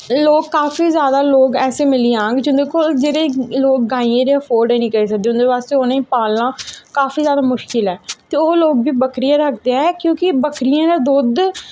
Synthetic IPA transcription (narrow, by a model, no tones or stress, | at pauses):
loːɡkːaːfiːzjaːd̪aːloːɡɛːseːmɪliãːŋɡd͡ʒʊ̃nd̪eːkʊld͡ʒeːɾeːloːk̚ːaːiẽːɾeəpʰoːɾɖeːnĩːkəɾeːs̬ək̚d̪eːʊ̃nd̪eːbaːst̪eːonãːĩːpaːlãːkaːfiːzjaːd̪aːmʊʃkɪlɛːt̪eːoːloːɡbiːbəkɾɪjãːɾək̚ʰd̪eaːɛkjõːkɪbəkʰɾɪjãːd̪aːd̪ʊd̪